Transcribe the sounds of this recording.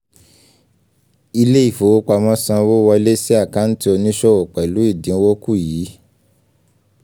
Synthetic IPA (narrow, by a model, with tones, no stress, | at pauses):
i˧le˦i˦˨fo˨wo˦k͡pa˧mɔ̃˦sã˧wo˦wɔ˧le˦si˦a˦˨ka˨˦n̩˦ti˦o˧nĩ˦ʃɔ˦o˨k͡pɛ˨lu˨˦i˦˨dĩ˨˦wo˦ku˦˨jiː˨˦